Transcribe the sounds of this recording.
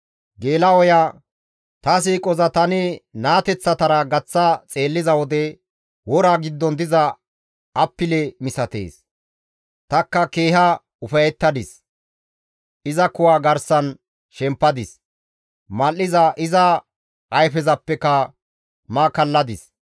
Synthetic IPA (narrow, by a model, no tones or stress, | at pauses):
ɡe̞ːlɐwɔjaː | t̪ɐs̬iːkʼɔzɐt̪ɐnɪnaːt̪ɛt͡sːɐt̪ɐɾɐɡɐt͡sːɐt͡sʼe̞ːlːɪzɐwɔd̪ɛ | wɔɾaɡɪd̪ːɔnd̪ɪzɐː | pːɪlɛmɪsɐt̪ḛːs | t̪ɐkːɐke̞ːɦɐ | ʊfɐjɛt̪ːɐd̪ɪs | ɪzɐkʊwaːɡɐɾsɐn | ʃɛmpːɐd̪ɪs | mɐlːɪzɐʔɪzɐ | ʔɐjfɛzɐpːɛkɐ | mɐkɐlːɐd̪ɪs